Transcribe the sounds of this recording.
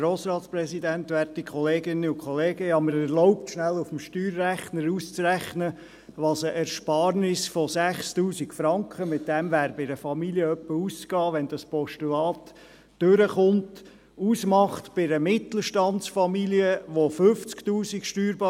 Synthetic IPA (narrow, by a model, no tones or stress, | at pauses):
ɾoːsɾɑːt̪spɾɛsidænt̪ʋɛɾtikʰχɔleːɡɪnːəʊkχɔleːɡəjɑməɾɛɾlɔʊp̚tʃnælufəm̩ʃtyːɾːæχnəɾust͡sɾæχnə | ʋɑsəʔɛɾʃpɑːɾnɪsfɔsæχstuːsikfɾɑŋkχəmɪt̚dɛmʋæːɾbɪɾəfɑmiliəœpːəuskɑːʋɛnd̥ɑspɔʃtulɑːt | d̥øɾəχʊnt | uːsmɑχtb̥ɪɾəmɪtl̩ʃtɑntsfɑmiliəʋofʏft͡sktuːsikʃtyːɾbɑː